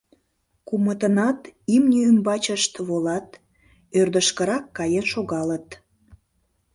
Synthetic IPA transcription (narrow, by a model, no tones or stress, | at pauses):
kumət̪ənɑt̪imnʲiymbɑt͡ɕəʃt̪βolɑt̪ | ørd̪əʃkəɾɑkːɑjenʃoɣɑlət̪